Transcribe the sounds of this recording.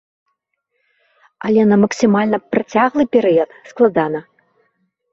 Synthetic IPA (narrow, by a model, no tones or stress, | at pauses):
a̰lʲɛnɐmɐksʲɨmalʲnɐpɾɐt͡sʲaɣlˠɨpʲɛɾɨjɐt̪sklˠad̪anɐ